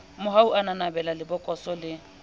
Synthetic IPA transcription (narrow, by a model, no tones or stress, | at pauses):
mʊɦauʔananabɛlalɪbʊkʼɔsɔlɪ